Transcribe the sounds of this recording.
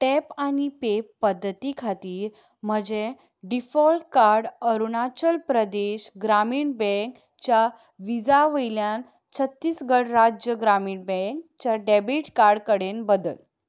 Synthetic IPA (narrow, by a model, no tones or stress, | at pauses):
ʈɛpanipepːəd̪ʱːət̪ikʰat̪iːɾ | m̤əd͡ʑe | ɖifɔlʈ̚kaɾɽəɾunat͡ɕəlpɾəd̪eɕɡɾamiːɳbɛ̃ŋk | t͡ɕja | ʋid͡zaʋəjljan | t͡ɕʰət̪ːiːsɡʱəɽɾad͡ʑjəɡɾamiːɳbɛ̃ŋkt͡ɕaɖɛbiʈkaɾɖkəɽenbəd̪əl